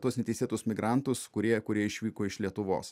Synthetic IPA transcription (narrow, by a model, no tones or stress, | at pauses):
t̪uɔsnʲɛt̪ʲɛɪsʲeːt̪ʊsmʲɪɡɾɑˑnt̪ʊskʊɾʲiɛkʊɾʲiɛɪʃʲʋʲiːkoːɪʃlʲiɛt̪ʊʋo̰ːs